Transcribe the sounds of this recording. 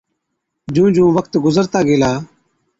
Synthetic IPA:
d͡ʒũːd͡ʒũːʋəkt̪ɡʊzəɾt̪aːɡeːlaː

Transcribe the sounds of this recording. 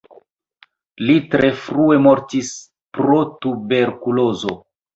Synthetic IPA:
litɾe̞fɾue̞mo̞ɾtis | pɾo̞tube̞ɾkulo̞zo̞

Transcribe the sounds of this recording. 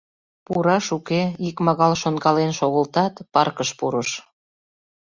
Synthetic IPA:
puɾɑʃukeikmɑɣɑlʃonɡɑlenʃoɣəlt̪ɑt̪pɑrkəʃpuɾəʃ

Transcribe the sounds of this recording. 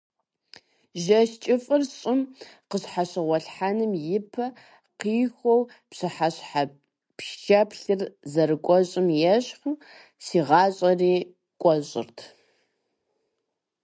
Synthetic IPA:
ʒɐʃt͡ʃʼɪfʼɨrɕʼɪmqəɕħaɕɪʁʷɔɬħanɨmjɪpʰɐ | qiːxʷɔw | pɕɨħaɕħa | pʃʃɐpɬɨrzɐɾɨkʷʼɔɕʼɪmjɛɕχ | siːʁɑːɕʼɐriː | kʷʼɔɕʼɪ̰rtʰ

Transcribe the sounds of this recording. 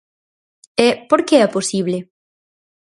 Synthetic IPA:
ɛpoɾkeɛposiβle

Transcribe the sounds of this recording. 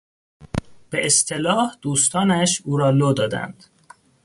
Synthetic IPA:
b̥eʔest̪ʰelɒːhd̪̥uːst̪ʰɒːnæʃuːɾɒːloːd̪ɒːd̪æ̰nd̪̥

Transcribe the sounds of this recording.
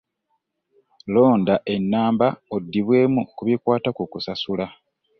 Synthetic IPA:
lo̞ːndaʔe̞nːaːmbaodːiβwe̞ːmukuβikwaːtakukusasula

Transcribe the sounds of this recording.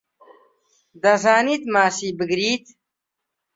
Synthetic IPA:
d̪ɐzaːnit̪maːsiːbəɡɾiːt̪

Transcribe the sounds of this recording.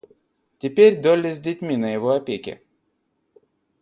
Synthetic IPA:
tʲɪpʲeɾʲd̪olʲɪzʲdʲɪtʲmʲinəjɪvoɐpʲekʲɪ̰

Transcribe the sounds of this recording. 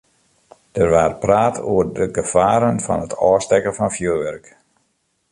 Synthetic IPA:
d̥ərʋaːrpraːtʰoːərdəɡəfaːɾənfɑ̰nətʰɔːstɛkəfɑnfjøːʋɛrk

